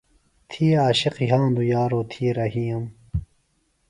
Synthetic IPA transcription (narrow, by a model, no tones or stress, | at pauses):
t̪ʰiːaːɕiqiɦãːnd̪ujaːɾoːt̪ʰiːɾɐɦiːɐm